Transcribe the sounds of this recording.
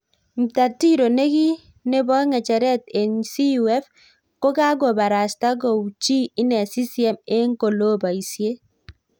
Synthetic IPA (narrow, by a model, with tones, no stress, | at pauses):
m̩˨ta˨ti˦ɾo˨ne˦ɡi˦ | ne˦bɔ˦ŋɛ˨t͡ʃɛ˨ɾɛ˦te˨nsi˦wɛ˦f | ko˦ka˦ɡɔ˨ba˨ɾa˨sta˦ɡɔ˨u˨t͡ʃi˦i˦nɛ˨si˦si˨ɛ˦me˦ŋko˨lo˦ba˨i˨sje˦